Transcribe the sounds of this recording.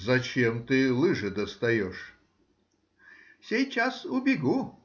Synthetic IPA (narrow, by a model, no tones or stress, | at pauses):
zɐt͡ɕemt̪ɨlˠɨʐɨd̪əst̪ɐjɔʂ | fsʲejt͡ɕasʊbʲɪɡu